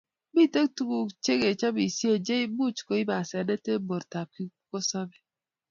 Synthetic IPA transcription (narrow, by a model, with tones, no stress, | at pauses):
bi˦˨te˦ktu˦ku˨t͡ʃe˦ɡe˨t͡ʃa˦bi˨si˦e˨d͡ʒe˦i˦bu˦˨t͡ʃu̥˨ko˨˦i˦ba˨se˨de˦te˦bo˨ɾta˨p̚ki˦ko˦sɔ˦be˨